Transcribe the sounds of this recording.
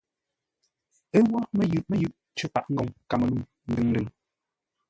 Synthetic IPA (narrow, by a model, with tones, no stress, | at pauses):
ə˦wa˦ʔmɛ˨jʉ˨ʔmɛ˦jʉ˦˨ʔ | t͡ʃə˦pa˨ʔŋ̩˦ɡɔ˨ŋka˨mə˨lu˦˨m | n̩˦dɨ˨ŋ˦dɨ˦˨ŋ